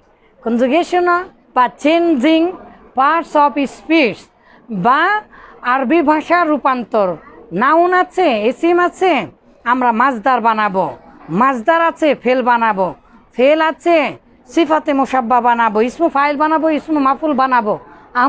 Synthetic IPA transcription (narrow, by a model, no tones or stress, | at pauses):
kɔnd͡ʒuɡeʃɔnɔ | bat͡ʃend͡ʒiŋ | paɾʈsɔpispis | baː | ɾbʱibʱãʃaɾupant̪ɔɾnaunat͡ʃʰeesimat͡ʃʰe | amɾamad͡zd̪aɾbanabɔmad͡zd̪aɾat͡sʰepʰelbanabɔ | pʰelat͡sʰe | sifʰat̪emɔʃabːabanabɔismɔpʰajlbanabɔismɔmapʰulbanabɔ | a